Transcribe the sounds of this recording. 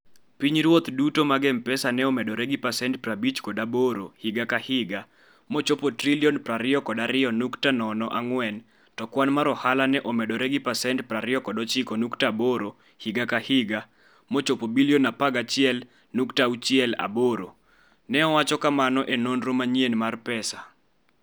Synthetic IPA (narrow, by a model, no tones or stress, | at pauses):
piɲɾwot̪dutomaɡɛmpɛsanɛɔmɛdɔɾɛɡipasɛntprabit͡ʃkɔdaboɾohɪɡakahɪɡa | mot͡ʃopotriliɔnpɾaɾɪɔkɔdaɾɪɔnuktanɔnɔʔaŋwɛn | tɔkwanmaɾɔhalanɛʔɔmɛdɔɾɛɡipasɛntpraɾɪɔkɔdɔt͡ʃɪkɔnuktaboɾo | hiɡakahɪɡa | mɔt͡ʃopobilionapaɡat͡ʃɪɛl | nuktaut͡ʃɪɛla̰boɾo | nɛɔwat͡ʃɔkamanɔʔenonɾomaɲjenmarpɛsa